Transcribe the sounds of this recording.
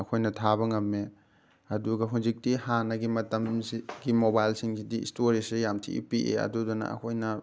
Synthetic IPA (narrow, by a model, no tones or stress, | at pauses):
ɐkʰojnɐtʰaβɐŋɐmːe | ɐduɡɐɦuzik̚tihanɐɡimɐtɐmsɡimobajlsiŋsidiḭstoɾisejamtʰḭḭpiʔḛɐ̰dudɔnɐ̰ɐ̰kʰojnɐ